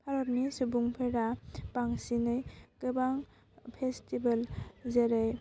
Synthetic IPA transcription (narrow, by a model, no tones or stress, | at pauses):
pʰaɾɔt̚misubuŋpʰeɾapaŋsinɯjkɯbaŋ | pʰestibalzeɾɯj